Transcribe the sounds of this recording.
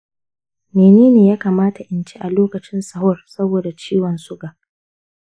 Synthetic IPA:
meː˨neː˦neː˨jaː˦kaː˨maː˦ta˨ʔɪ˨nt͡ʃe˦ʔa˨loː˦kɐ˨t͡ʃɪ˦nsɐ˨ɦɔ˦rsɐ˦boː˨da˨t͡ʃiː˦wɔ˨nsʊ˦ɡaː˨

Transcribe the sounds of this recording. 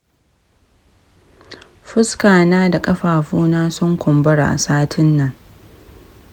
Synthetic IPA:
ɸɪ˦skaː˨naː˦da˨kʼɐ˦ɸaː˨ɸuː˦naː˦sɔ˦ŋkʷɔ˨mbɐ˦ɽa̰ː˨ʔa̰˨saː˦tʰɪ˦nːɐ˨ŋ

